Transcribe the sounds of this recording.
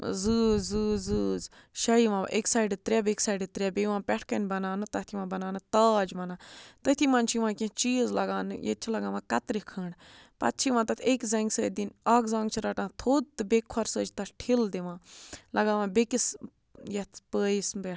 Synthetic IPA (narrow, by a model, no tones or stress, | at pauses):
zɨːzɨːzɨːz | ʃɐiʋã̰ːʔeksaːjɖɨt̪ɾʲaːbʲeksaːɖɨt̪ɾʲjaːbeʋãːpʲɛʈʰkɐnʲbɐnaːnɨt̪ɐt̪ʰiʋãːbɐnaːnɨt̪aːd͡ʒʋɐnaːt̪ɐt̪ʰimãːnt͡ʃʰiʋãːkʲĩt͡ʃiːzlɐɡaːnɨ̰jḛt̪t͡ʃʰilɐɡãːʋãːkɐt̪ɾikʰəːɳɖ | pɐ̰t̪̚t͡ʃʰiʋãt̪ɐt̪ʰekzɐŋɡsəːd̪inaːɡzãːŋɡt͡ʃʰiɾɐʈãːt̪ʰoːd̪̚t̪ɨbekʰːɔɾsəːd͡ʒt̪ɐʈʈʰild̪iʋãːlɐɡãːʋãːbekis | jɐt̪pəːisbʲɛʈʰ